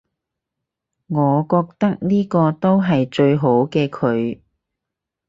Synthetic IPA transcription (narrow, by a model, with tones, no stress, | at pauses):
ŋɔː˨˧kɔː˧k̚t̪ɐ˥k̚niː˥kɔː˧t̪o˥wɦɐ˨jt͡ʃɵ˧ɥɦo˨˥wkɛː˧kʰɵ˨˧ɥ